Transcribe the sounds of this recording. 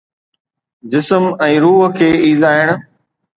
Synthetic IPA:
d͡ʑɪsəmɛ̃ːɾuːɦəkʰeːiːzaːɪɽ̃̆

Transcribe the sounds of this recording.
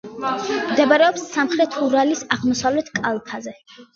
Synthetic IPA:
md̪ɛbaɾɛɔpsːamχɾɛt̪ʰuɾalisaʁmɔsavlɛt̪ʰkʼalˠp̪ʰazɛ

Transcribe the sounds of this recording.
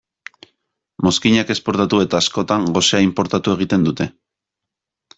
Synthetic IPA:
mo̞skiɲake̞spo̞ɾt̪at̪ue̞t̪aːsko̞t̪aŋɡo̞seaimpo̞ɾt̪at̪ue̞ɣ̞it̪e̞nd̪ut̪e̞

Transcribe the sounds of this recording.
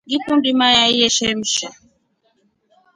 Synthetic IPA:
ɡipundimajaijɛʃɛm̩ʃɛ

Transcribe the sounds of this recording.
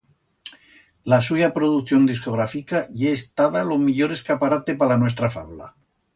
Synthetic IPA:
lasuʝapɾoðukθjo̞nd̪isko̞ɣ̞ɾafikaʝeːst̪aðalo̞miʎoɾe̞skapaɾat̪e̞palanwe̞st̪ɾafaβla̰

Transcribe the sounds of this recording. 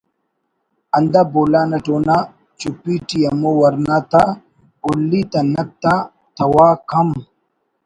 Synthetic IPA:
ɐnd̪aboːlaːnɐʈoːna | t͡ʃupiʈijɐmowɐɾnat̪a | olːit̪ɐnɐk̚t̪ːa | t̪ʰɐwaːkʰɐm

